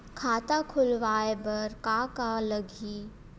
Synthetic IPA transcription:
kʰaːt̪akʰʊlʋaːebɐɾkaːkaləɡʱiː

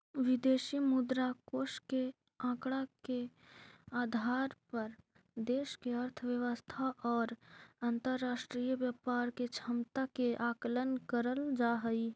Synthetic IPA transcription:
ʋɪd̪eːʃimʊd̪ɾakoːʃke | ãːkɽ̃ake | aːd̪ʱaːɾpɐɾ | d̪eːʃkeəɾt̪ʰəʋjəʋəst̪ʰaʔɔːɾãnt̪əɾːaːʃʈɾiːjəʋjapaːɾket͡ʃʰəmt̪akeʔaːkələnkəɾəld͡ʒaːɦəi

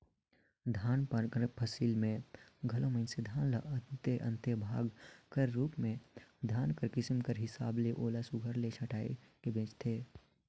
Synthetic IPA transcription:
d̪ʱaːnpəɾkɾpʰəsiːlmẽɡʱɐlõmənsed̪ʱaːnləət̪eʔə̰̃nt̪ebʱaːɡkəɾːuːpmẽd̪ʱaːnkəɾkɪsmkəɾɦɪsaːbleʔoːlasʊɡʱəɾlet͡ʃʰəʈaːekebẽːt͡ʃt̪ʰeː

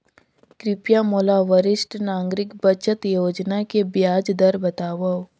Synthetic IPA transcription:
kɾɪpjãmoːlaʋəɾɪsʈnãːŋɡɾɪkbət͡ʃət̪joːd͡ʒnakebjaːd͡ʒd̪ɐɾbɐt̪aːʋɐ

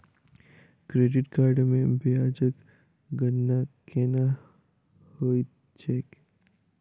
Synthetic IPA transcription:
kɾeːɖɪʈkaːɾɖmẽbijaːd͡ʒək | ɡənːakena | hoːi | t͡ʃeːk

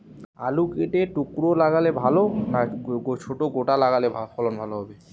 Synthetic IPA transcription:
a̰lukeʈeʈukɾolaɡalebʱalonaɡot͡ɕʰoʈoɡoʈalaɡalebʱafʰɔlonbʱaloɦɔbe

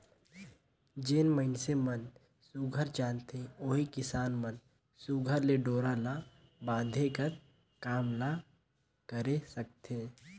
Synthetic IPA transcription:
d͡ʒeːnməɪnsemən | suɡʱəɾt͡ʃaːnt̪eoːikɪsaːnmən | suɡʱəɾleɖoːɾala | bãːd̪ʱekəɾ | kaːmla | kəɾesək̚t̪eː

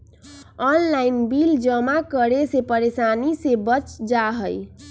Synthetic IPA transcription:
ɔnlainbild͡ʒəmakəɾesepəɾesanisebət͡ʃd͡ʒaɦəj

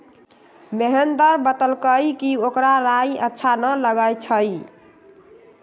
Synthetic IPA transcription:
meɦənd̪əɾbət̪əlkəjkiokɾaɾajətːʃʰanələɡəjt͡ʃʰəj

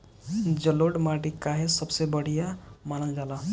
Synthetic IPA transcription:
d͡ʒəloɽmaʈikaɦesəbsebəɽ̤ijamanəld͡ʒala

